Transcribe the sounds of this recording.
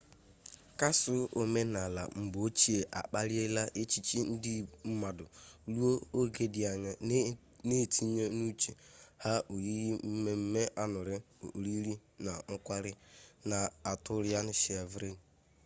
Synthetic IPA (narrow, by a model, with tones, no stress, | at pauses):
ka˦sʊ˦o˨me˦na˨la̰˨m̩˨ɡ͡bo˦t͡ʃi˦e˨ʔa̰˨k͡pa˦ɾɪ˦e˦la˦ʔe˦t͡ʃi˦t͡ʃi˦n̩˦dɪ˦m̩˦ma˨dʊ˨lu˦o˦o˦ɡe˦dɪ˨a˨ɲa˦ | ne˦˨tʰi˦ɲe˦nu˦t͡ʃe˨ha˦ʔo˨ji˦me˦m̩˦me˦ʔa˦nʊ˨ɾɪ˦˨ɾi˦ɾi˦na˨ŋ̩˦kʷa˦ɾɪ˦na˨a˨tʊ˦ɾɪ˦a˦nʊ˦ʃi˨a˨vɾe˦n˨